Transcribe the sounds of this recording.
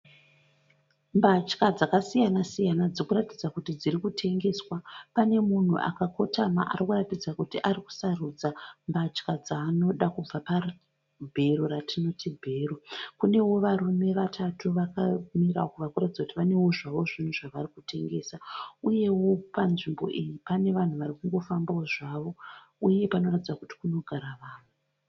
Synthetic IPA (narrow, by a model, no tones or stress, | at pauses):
mbat͡ʃkad͡zakasijanasijanad͡zikuratid͡zakutid͡zirikutʰe̞ŋɡe̞ːswapane̞mun̤ṵʔa̰kako̞tʰama̰ʔa̰rikuratid͡zakutiʔariku̥saruːd͡zambat͡ʃkad͡zaːno̞ɗakub͡vapar | bʱe̞ɾoratʰino̞tibʱe̞ːrokune̞wo̞ʋaɾume̞ʋatatuʋakamiraokuʋakuratid͡zakutiʋane̞woʐaʋo̞ʐin̤uʐaʋarikute̞ŋɡe̞ːsauje̞wo̞panʐimbo̞̰ʔijipane̞ʋan̤uʋaɾikuŋɡo̞fambaoʐaʋo̞ | uje̞pano̞ratid͡zakuti̥kuno̞ɡʱaɾaʋaːʋo